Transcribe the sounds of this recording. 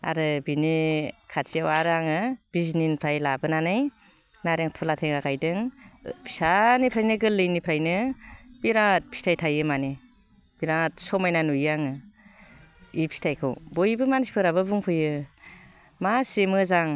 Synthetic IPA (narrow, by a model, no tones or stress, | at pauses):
a̰ɾɯbinikʰat͡ʃiawaɾaŋɯb̥izninpʰɾajlabɯnanɯj | naɾeŋtʰɔlatʰeŋakajdɯŋpʰi̥sanipʰɾajnɯɡɯlːɯjnipʰɾajnɯb̥iɾat̚pʰi̥tʰajtʰajɯmani | b̥iɾat̚sɔmajnanujaŋɯ | ipʰi̥tʰajkʰɯwbojbɯmansi̥pʰɯɾaβɯbuŋpʰɯjɯ | masemɯzaŋ